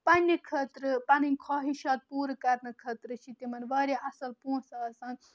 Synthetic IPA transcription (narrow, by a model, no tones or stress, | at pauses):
pɐnʲːɨkʰət̪ɾɨpɐnɨnʲkʰaːɦiʃɐːt̪̚puːɾɨkɐɾnɨkʰət̪ɾɨt͡ʃʰit̪imɐnʋɐːɾʲeʔɐsɐlpũːsɐsɐ̃